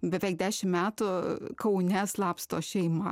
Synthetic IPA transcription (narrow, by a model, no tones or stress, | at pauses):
bʲɛʋʲɛɪɡ̚d̪ʲæːʃʲɪmmʲæːt̪ʊkɐʊnʲɛslˠɑːpst̪oːʃʲɛɪmɐ